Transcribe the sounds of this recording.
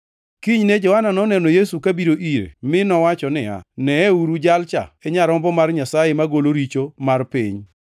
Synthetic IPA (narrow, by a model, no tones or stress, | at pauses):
kiɲned͡ʒɔhananɔnɛnojesukabiɾoʔiɾḛmɪnɔwat͡ʃɔnɪa̰nɛɛuɾud͡ʒalt͡ʃa̰eɲaɾɔmbɔmarɲasajemaɡoloɾit͡ʃomarpiɲ